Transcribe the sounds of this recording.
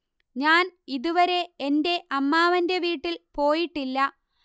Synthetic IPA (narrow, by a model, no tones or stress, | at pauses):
ɲaːniðuʋɐɾe̞ende̞ʔɐmːaːʋɐnde̞ʋiːʈːilpo̞ːjiʈːilːɐ